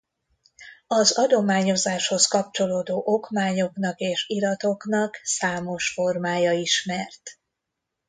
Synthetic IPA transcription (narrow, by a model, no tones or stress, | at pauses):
ɒzɒd̪o̞maːɲo̞zaːʃho̞skɒp̚t͡ʃo̞loːd̪oːʔo̞kmaːɲo̞knɒkeːʃiɾɒt̪o̞knɒksaːmo̞ʃfo̞rmaːjɒiʃmɛrt̪